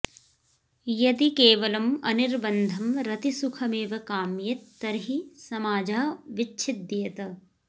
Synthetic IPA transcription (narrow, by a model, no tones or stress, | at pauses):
jɐd̪ikeːʋɐlɐmɐ̰niɾbɐnd̪ʱɐmɾɐt̪isukʰɐmeːʋɐkaːmjɐt̪ːɐɾɦisɐmaːd͡ʒaːɐʋit͡ʃːʃʰid̪ɐjɐt̪ɐ